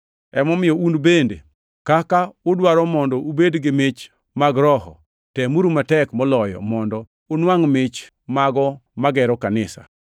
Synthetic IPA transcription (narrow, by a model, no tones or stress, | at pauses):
ɛmɔmɪjɔunbendḛ | kakaʊdwaɾɔmɔndɔubedɡɪmɪt͡ʃ | maɡɾɔɦɔ̰ | tɛmuɾumatɛkmɔlɔjɔ̰mɔndɔ | onwaŋmɪt͡ʃ | maɡɔmaɡɛɾɔkanɪsa̰